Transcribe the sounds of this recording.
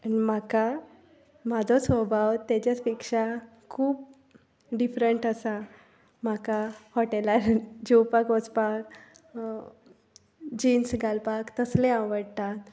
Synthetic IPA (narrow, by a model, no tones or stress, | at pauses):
aim̤aka | mad͡zʱɔsʋəbʱawt̪jat͡ɕat͡spikʂa | kʰuːb | ɖifɾəɳʈəsa | makahɔʈelaɾd͡ʑuwpakɔt͡spak | d͡ʑinsɡʱalpakt̪əsleãʋəɽt̪at̪